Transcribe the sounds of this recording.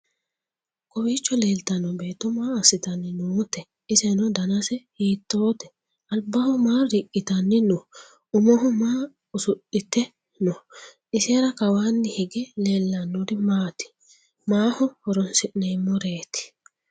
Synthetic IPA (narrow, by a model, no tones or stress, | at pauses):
kʼɔwiːt͡ʃːɔle̞ːlt̪ɐnːɔbe̞ːt̪ːɔmaːɐsɪt̪ɐnːɪnuːt̪ɛ | ɪsɛnɔd̪ɐnɐsɛhiːt̪ːoːt̪ɛ | ɐlbɐhɔmaːɾɪkʼːɪt̪ɐnːɪnɔ | ʊmɔɦɔmaː | ʊsʊɗɪt̪ːɛ | nɔ | ɪseːɾɐkɐwaːnːɪhɪɡɛleːlːɐnːɔd̪ɪmaːt̪ɪ̥ | maːhɔhɔɾɔnsɪʔnemːɔɾe̞ːt̪ɪ̥